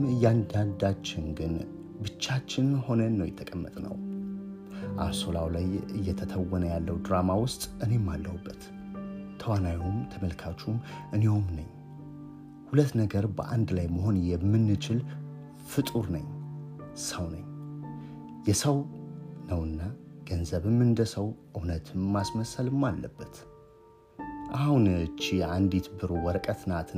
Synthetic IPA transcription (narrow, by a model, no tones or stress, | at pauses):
mɨjːand̪ad̪at͡ʃːɪnɡɨn | bɨt͡ʃːat͡ʃːɪnho̞nənːəwjɛt̪ʰːəkʼəmːət̪ʼnə̰w | ʔa̰so̞lawlajɨ̰jːɛt̪ʰət̪ʰəwːɔnəjalːəwd̪ɾamawʊst̪ʼʔɨne̞mːalːəhubːət̪ | t̪ʰːəwanawiumt̪ʰəməlkʰat͡ʃːumʔɨne̞homnəɲː | hulət̪ːnəɡəɾbə̰ʔand̪lajməɦo̞njɛmːɨnːɨt͡ʃɪl | fɨt̪ʼuɾnəɲ | səwnə̰ɲː | jɛsəwnəwɨnːaɡ̥ənzəβɨmɨnd̪əsəwʔɨwnət̪ʰɨmːasməsəlɨmːalːəbːət̪ | ʔahunt͡ʃːiand̪it̪bɨɾowɔɾəkʼət̪nat̪